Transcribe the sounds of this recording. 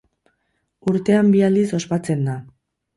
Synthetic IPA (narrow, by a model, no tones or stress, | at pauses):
uɾt̪e̞ambiald̪iso̞spat͡se̞nd̪a